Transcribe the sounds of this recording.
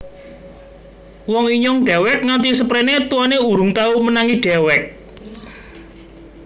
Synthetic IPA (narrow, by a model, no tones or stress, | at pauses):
wɔŋiɲɔŋɖ̥ɛ̤wɛk̚ŋant̪isəpɾenet̪uwaneuɾʊŋt̪aumənaŋiɖ̥ɛwɛk̚